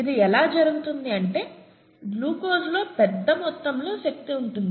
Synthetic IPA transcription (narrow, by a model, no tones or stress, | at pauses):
id̪iɛlaːd͡ʒɐɾuɡut̪und̪iɐɳʈe̞ː | luːkoːslo̞ːpɛd̪ːɐmɔt̪ːɐmlo̞ːʃɐk̚t̪iuɳʈund̪i